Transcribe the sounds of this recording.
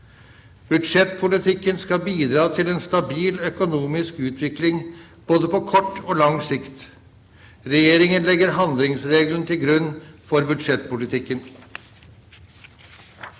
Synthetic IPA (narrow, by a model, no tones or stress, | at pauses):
b̥ʉd̪ʂɛt̪pʰʊlɪt̪ʰɪkːənskɑbiːd̪ɾɑːt̪ʰɪleːnst̪ɑbiːlœkʊnuːmɪskʉːt̪ʰʋɪklɪŋ | b̥oːd̪əpʰɔkʰɔʈːoːlɑŋsɪkt̪ | ɾɛjeːɾɪŋənlɛɡəɾɦɑnd̪lɪŋsɾeːɡlən̩ət̪ʰɪlɡɾʉnːfɔɾbʉd̪ʂɛt̪ːpʊlɪt̪ʰɪkːən